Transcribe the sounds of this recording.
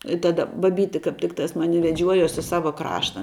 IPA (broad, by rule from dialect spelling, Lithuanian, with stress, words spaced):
ɪ ˈtɑːdɐ bɐˈbʲiːtʲɪ kɐp ˈtʲɪktɐs ˈmɑːnʲɪ ʋʲɛˈd͡ʒʲuɔjuɔs ɪ ˈsɑːʋɐ ˈkrɑːʃtɐ